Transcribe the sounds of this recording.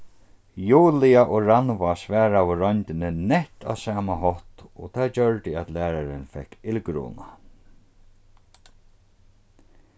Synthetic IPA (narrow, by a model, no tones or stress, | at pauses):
juːlɪaʔɔɹanʋasʋæːɾawʊɾɔnt̪ɪnɪnɛht̪ʰa̰ːsaːmaɦɔht̪ɔt̪ʰaːt͡ɕœɹt̪ɪat̪læːɾaɾɪnfɛhkːɪlkɾṵːna